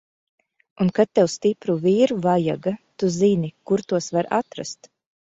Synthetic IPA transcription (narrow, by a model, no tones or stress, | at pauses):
unkat̪̚ːɛwst̪ipɾuviːɾuvaja̰ɡat̪uzinikuɾt̪uɔsvaɾa̰t̪ɾa̰st̪